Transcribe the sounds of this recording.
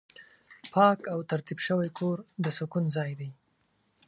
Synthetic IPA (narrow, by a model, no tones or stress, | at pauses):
pʰɑkawt̪aɾt̪ibʃəwajkʰoɾd̪əsʊkunzɑjd̪aj